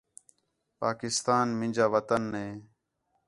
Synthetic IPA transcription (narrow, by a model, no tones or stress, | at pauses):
paːkɪst̪aːnmɪ̃nd͡ʒaːʋət̪ənːẽː